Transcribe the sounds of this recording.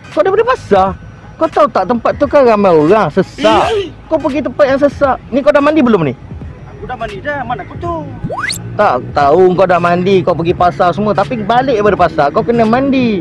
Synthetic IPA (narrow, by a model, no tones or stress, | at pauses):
kawdapadəpasa | kawt̪aut̪aʔt̪əmpat̪̚ːukaɾamajoɾaŋsəsaʔkawpəɡit̪əmpat̪̚jaŋsəsaʔnikawdahmãndibəlʊmni | aaiamankut̪u | t̪aʔt̪auŋkawdahmandikawpəɡipasasəmũət̪apibalɪʔapadəpasakawkənə̃mãndi